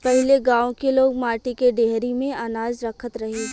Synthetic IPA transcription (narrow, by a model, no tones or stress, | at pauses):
pɛɦɪleɡaːõkeloːɡ̚maːʈikeɖeɦɾimẽanaːd͡ʒɾɐkʰət̪ɾɐɦeː